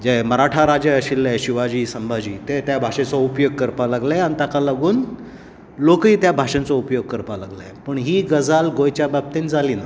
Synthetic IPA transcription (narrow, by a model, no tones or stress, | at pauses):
d͡ʑeməɾaʈʰaɾad͡ʑaɕilːaɕiʋad͡ʑiːsəmbʱad͡ʑiːt̪et̪jabʱaɕẽt͡sɔupjoɡ̚kəɾpalaɡlajañit̪akalaɡuːn | lokiːt̪jabʱaɕẽnt͡sɔupjoɡ̚kəɾpalaɡla̰jpəɳɦiːɡəd͡zalɡojt͡ɕjabab̚t̪end͡zaliːna